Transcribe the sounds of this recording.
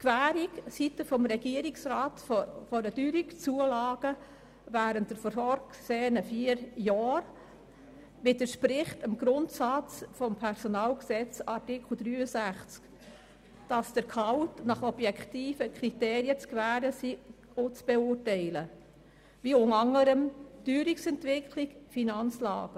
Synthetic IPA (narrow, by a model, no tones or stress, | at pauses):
kvæːɾiksitəfɔmɾɛɡ̥iəɾiksɾɑːtfɔɾəd̥yɾikt͡suəlɑːɡ̥ə | væːɾəntd̥əɾfɔɾfɔːɾkseːənəfiəɾjɑːɾ | mɪtəʃpɾɪχtəmɡ̥ɾʊntsɑt͡sfɔmpʰɛɾsɔnɑːlksɛt͡sɑɾtɪkʰl̩d̥̪ɾyːəsæχt͡sk | d̥ɑsd̥əɾkʰɑʊtnɑχɔb̥jɛktiːfəkʰɾiteːɾiət͡skvæːɾəsi | ot͡sb̥ɛʊːrtɛɪlə | viʊŋɑŋːəɾəmd̥yːɾiksɛntvɪkʰlikfinɑnt͡slɑ̰ːɡ̥ə